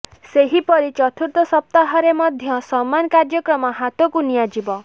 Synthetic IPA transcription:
seɦipɔɾit͡ʃɔt̪ʰuɾt̪ɔsɔp̚t̪aɦɔɾemɔd̪ʱjɔsɔmːankaɾd͡ʒjɔkɾɔmɔɦat̪ɔkunijad͡ʒibɔ

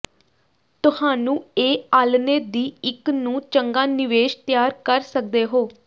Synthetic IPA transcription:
t̪ʊhaːnũːeːaːlneːd̪iːɪknũːt͡ʃəŋɡaːnɪʋeːʃt̪jaːɾkəɾsək̚d̪eːɦoː

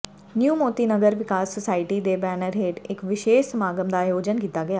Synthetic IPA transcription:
njuːmoːt̪iːnəɡəɾʋɪkaːsːɔsaːɪʈid̪eːbɛːnəɾɦeːʈɪkʋɪʃeːʃəmaːɡəmd̪aːjoːd͡ʒənkiːt̪aːɡɐjaː

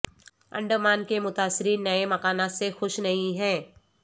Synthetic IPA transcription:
ɐ̰̃ɳɖəmaːnkemʊt̪aːsːɪɾiːnːɐemɐkaːnat̪sexʊʃnɐɦĩɦɛ̃ː

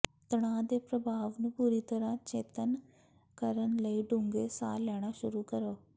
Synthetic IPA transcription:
t̪ɐɽ̃ãːd̪eːpɾɐbʱaːʋnʊ̃puːɾit̪ɐɾãt͡ɕḛːt̪ən | kɐɾənɪ̆ləiɖũŋɡesa̰ːlɛːɽ̃aʃʊɾukɐɾoː

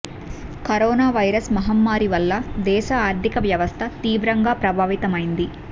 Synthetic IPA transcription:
kɐɾoːnaːʋɐjɾɐsmɐɦɐmːaːɾiʋɐlːɐd̪ɛːʃɐaːɾd̪ʱikɐʋjɐʋɐst̪ʰɐt̪iːʋɾɐŋɡaːpɾɐbʱaːʋit̪ɐmɐjind̪i

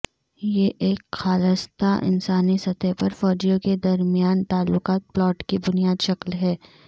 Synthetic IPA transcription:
jeʔeːkxaːləst̪aʔɪ̰nsaːnisɐt̪epɐɾfɔːd͡ʒijõked̪ɐɾmijaːnt̪aːlːʊqaːt̪̚plɔːʈkibʊnijaːd̪ʃɐklɦɛː

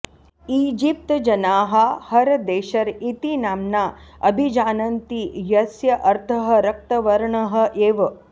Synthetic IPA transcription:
iːd͡ʒip̚t̪d͡ʒɐnaːɦɐhɐɾd̪eːʃɐɾit̪inaːmnaːɐbʱid͡ʒaːnɐnt̪ijɐsjɐʔɐɾt̪ʰɐɦɐ̆ɾɐk̚t̪ɐʋɐɾɳɐɦɐ̆ʔeːʋɐ

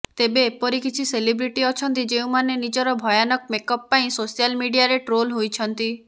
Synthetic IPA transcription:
t̪ebepɔɾikit͡ʃʰiselibɾiʈiɔt͡ʃʰɔnt̪id͡ʒeũmanenid͡ʒɔɾɔbʱɔjanɔk̚mekɔpːaĩsosialmiɖiaɾeʈɾolɦojt͡ʃʰɔnt̪i

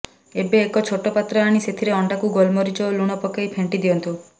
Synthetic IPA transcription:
ebeːkɔt͡ʃʰoʈɔpat̪ɾɔaɽ̃iset̪ʰiɾeɔɳɖakuɡolmɔɾit͡ʃɔluɽ̃ɔpɔkajpʰeɳʈid̪ijɔnt̪u

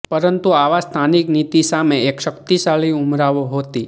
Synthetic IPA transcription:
pəɾənt̪uaʋast̪ʰaniknit̪isameekʃəkt̪isaɭiumɾaʋoɦot̪i

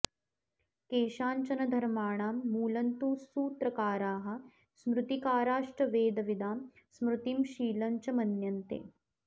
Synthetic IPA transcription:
keːʃaːɲt͡ʃɐnɐd̪ʱɐɾmaːɳ̃aːmːuːlɐnt̪uːsuːt̪ɾɐkaːɾaːɦɐ̆ | smɾut̪ikaːɾaːʂʈɐʋeːd̪ɐʋid̪aːm | smɾut̪imʃiːlɐɲt͡ʃɐmɐnjɐnt̪ḛː

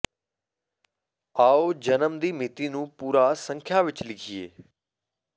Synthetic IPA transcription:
aːod͡ʒənəmd̪iːmɪt̪inũːpuːɾasə̃ŋkʰjaʋɪt͡ʃlɪkʰiḛː

